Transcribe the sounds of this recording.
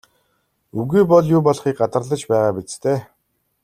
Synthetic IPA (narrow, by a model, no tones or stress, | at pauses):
uɣuːpɔɮjʊːpɔɮχiːk̚ɢat̪ə̆rɮə̆t͡ɕpæːʁaːpit͡st̪ʰeː